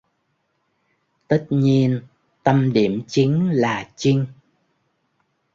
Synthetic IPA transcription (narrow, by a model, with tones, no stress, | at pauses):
t̪ə˦˥t̚ɲi˧ən | t̪ə˧mɗi˧˩əmt͡ɕi˨˦ŋlaː˨˩t͡ɕi˧ŋ